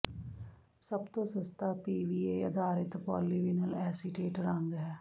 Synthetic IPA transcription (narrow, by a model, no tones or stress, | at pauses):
sɐbt̪osɐst̪apiːʋiːejɐ̰d̪ʱaːɾɪt̪pɔːliʋɪnəlɛːsiʈeːʈɾə̃ŋɡɦɛː